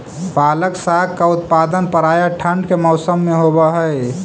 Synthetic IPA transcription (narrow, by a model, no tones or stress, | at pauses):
paːləksakkaʊt̪paːd̪ənpəɾajaʈʰəɳɖkemɔʊsəmːeɦobəɦəɪ